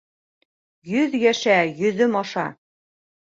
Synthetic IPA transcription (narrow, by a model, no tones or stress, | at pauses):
jɵðjæʃæjɵ̆ðɵmɑʃɑ